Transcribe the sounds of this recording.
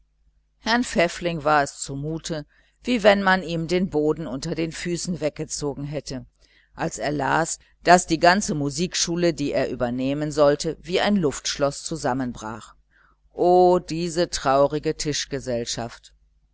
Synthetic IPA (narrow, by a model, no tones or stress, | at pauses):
hɛɐnfɛflɪŋvaːɐɛst͡sumuːtʰə | viːvɛnmaniːmdeːnboːdn̩ʊntɐdeːnfyːsn̩vɛk̚ɡ̥ət͡soːɡŋ̩ɦɛtə | ʔalseːɐlaːs | d̥asd̥iːɡant͡səmuziːkʃuːlədiːʔeːɐʔyːbɐneːmənzɔltəviːaɪnlʊftʃlɔst͡suzamənbʁa̰ːχ | ʔoːd̥iːzətʁ̥aʊʁɪɡətʰɪʃɡ̥əzɛlʃaft